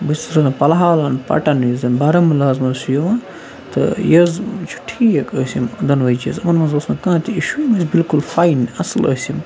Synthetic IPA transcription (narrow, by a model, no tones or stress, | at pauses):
bɨst̪ɾɐnɐpɐlɦaːlɐnpɐ̰ʈɐnizɐnbaɾɐmilaːzmɐzsujoʋãː | t̪ɨ̰jɐzt͡ʃʰu̥ʈʰiːjɐkəsimd̪ɐnʋɐit͡ʃjɐzɐmɐnmɐnzosnɐkãːt̪ʰiiʃumɐzbilkulfaːinɐslɐ̰sim